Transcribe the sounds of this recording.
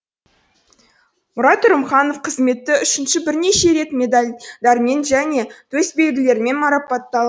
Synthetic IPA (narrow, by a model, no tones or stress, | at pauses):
mʊɾɑt̪ːʊɾəmχɑno̞fqʰəzme̞t̪ːɪʏʃɪnʃɪbɪɾne̞ʃe̞ɾe̞t̪mʲe̞d̪ɑlʲd̪ɑɾmʲenʒæne̞t̪ʰɵsbe̞ɡd̪ʲɪle̞ɾɪme̞nmɑɾɑpɑt̪ːɑlˠ